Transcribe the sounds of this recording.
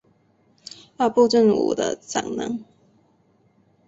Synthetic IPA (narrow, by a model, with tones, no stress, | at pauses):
ja˥˧pu˥˧ʈ͡ʂə˥˩nṵ˨˩d̪ə̰˦t͡sa̰˨˩ŋnə̰˨˦ŋ